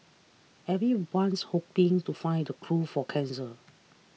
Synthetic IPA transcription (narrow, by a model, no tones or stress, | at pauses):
ɛvɹiwãnshopɪ̃ŋtufãɪ̃ndəkʰɹufɔkʰɛ̃nsə